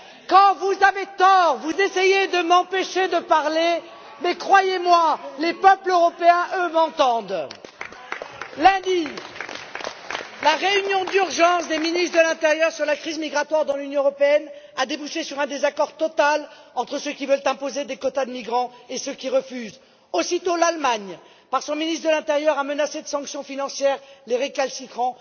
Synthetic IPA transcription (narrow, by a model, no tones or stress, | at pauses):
kɑ̃vuzavet̪ɔʁvuzesejed̪əmɑ̃peʃed̪əpaʁle | mɛkχwajemwalepœpløʁɔpeɛ̃ʔømɑ̃t̪ɑ̃d̪ | lɛ̃d̪i | laʁeynjɔ̃d̪yʁʒɑ̃sd̪eminist̪χd̪əlɛ̃t̪eʁjœʁsyʁlakχizmiɡʁat̪waʁd̪ɑ̃lynjɔ̃øʁɔpeɛnad̪ebuʃesyʁɛ̃d̪ezakɔʁt̪ɔt̪al | ɑ̃t̪χəsøkʲivœlt̪ɛ̃pozed̪ekɔt̪ad̪əmiɡʁɑ̃esøkʲiʁəfyz | osit̪olalmaɲ | paʁsɔ̃minist̪d̪əlɛ̃t̪eʁjœʁamənased̪əsɑ̃ksjɔ̃finɑ̃sjɛʁleʁekalsikχɑ̃